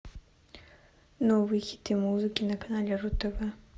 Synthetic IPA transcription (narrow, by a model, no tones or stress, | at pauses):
nɔvɨjxʲi̥t̪ɨmuzɨkʲinɐkɐnalʲɛɾut̪ɐvɛ